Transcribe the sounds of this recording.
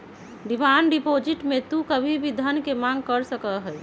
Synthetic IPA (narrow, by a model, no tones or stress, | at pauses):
ɖimanɖipod͡ʒiʈmet̪ukəbʱibʱid̪ʱənkemaŋɡ̚kəɾsəkəɦəj